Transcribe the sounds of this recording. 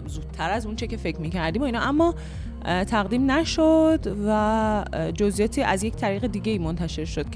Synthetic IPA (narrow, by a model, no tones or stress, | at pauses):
zuːd̪̥̚ʰtʰæɾæzunt͡ʃʰecʲe̞fecʰmiːcʰæɾd̪iːmoiːnɒʔæmːɒː | t̪ʰæɣd̪iːmnæʃod̪væ | d͡ʒozijɒːt̪ʰiːʔæzject̪ʰæɾiːɣed̪iːɟe̞iːmont̪ʰæʃe̞ɾʃod̪̚kʰ